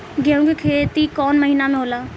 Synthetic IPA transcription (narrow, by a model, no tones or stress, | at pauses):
ɡeːũːɡekʰeːt̪iːkɔːnməɦiːnaːmẽɦoːlaː